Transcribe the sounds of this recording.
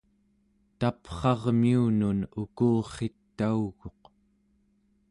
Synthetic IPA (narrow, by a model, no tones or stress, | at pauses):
t̪apχɑʁmiununukuːχe̞t̪ːauɣo̞q